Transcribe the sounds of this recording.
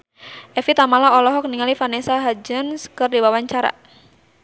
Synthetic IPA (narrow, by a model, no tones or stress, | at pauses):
ʔɛfit̪amalaɔlɔɦɔk̚niŋalifanesaɦad͡ʒənskərdiwawaɲt͡ʃaɾa̰